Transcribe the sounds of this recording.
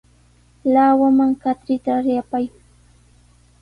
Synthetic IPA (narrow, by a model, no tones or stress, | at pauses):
lawamaŋkat̪ɾɪt̪aɾjapaj